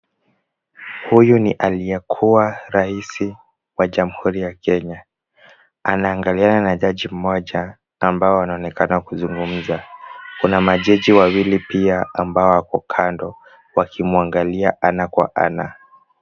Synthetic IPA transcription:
hujuniʔaliɛkʰuwaɾaisi | waʄamuhuɾijakɛɲa | anaːŋɡaliananaʄaʄim̩mɔʄaː | mbaɔwanaɔnɛkanakuzuŋɡum̩zakunamaʄɛʄiwawilipiaambaɔwakɔkʰandɔ | wakʰimuaŋɡaliaʔanakwa̰ʔa̰na

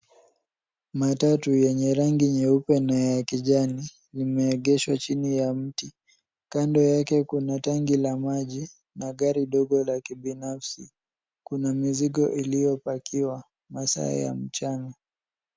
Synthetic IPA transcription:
matatujɛɲɛɾaŋɡiɲɛupɛnajjakiʄani | limɛːɠɛʃwat͡ʃinijam̩ti | kandɔjakɛkunataŋɡilamaʄi | naɠaɾiɗɔɠɔlakiɓinafsḭ | kunamiziɠɔʔilijɔpakiwa | masa̰a̰ja̰m̩t͡ʃaŋɡa

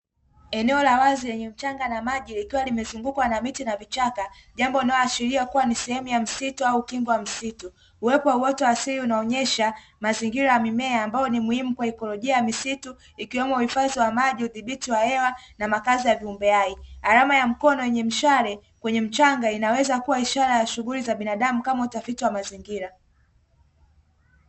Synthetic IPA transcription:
ɛnɛɔlawazijɛɲɛm̩t͡ʃaŋɡanamaʄilikiwalimɛzuŋɡukwanamitinavit͡ʃakaʄambɔinajɔaʃiɾiakuwanisɛhɛmujam̩situaukiŋɡɔwam̩situː | wɛpɔwauɔtɔwasiɾiunaɔɲɛʃa | maziŋɡiɾajamimɛaːmbajɔnimuhimukwaikɔlɔʄiajamisitu | ikiwɛmɔuhifaziwamaʄiuðiɓitiwahɛwanamakazijaviumbɛaiɣaɾamajam̩kɔnɔjɛɲɛm̩ʃaɾɛ | kwɛɲɛm̩t͡ʃaŋɡainawɛzakuwaiʃaɾajaʃuɣulizaɓinaɗamukamautafitiwamaziŋɡiɾa

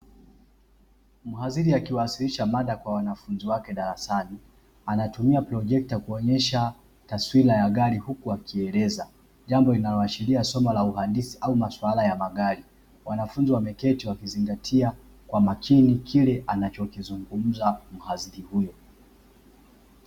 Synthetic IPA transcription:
muɦaziɾiakiwasiliʃamaɗakwawanafunziwakɛɗaɾasani | anatumiapɾɔʄɛk̚takuɔɲɛʃa | taswilajaɠaɾihukuakiɛlɛza | ʄambɔlinalɔaʃiliasɔmalauhandisiʔaumaswalajamaɠaɾi | wanafunziwamɛkɛtiwakiziŋɡatʰia | kwamakʰinikʰilɛʔanat͡ʃɔkizuŋɡum̩zam̩haziɾihujɔ

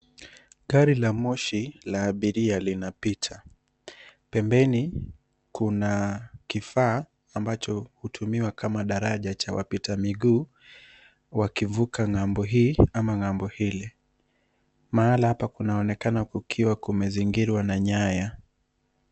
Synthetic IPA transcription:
ɠaɾilamɔʃilaːɓiɾialinapitʰa | pɛmbɛni | kunakifaː | mbat͡ʃɔhutʰumiwakamaɗaɾaʄat͡ʃawa̰pitamiɠuː | wakivukaŋambɔɦiːamaŋambɔhili | maalahapakunaɔnɛkanakukʰiwakumɛziŋɡiɾwanaɲaja

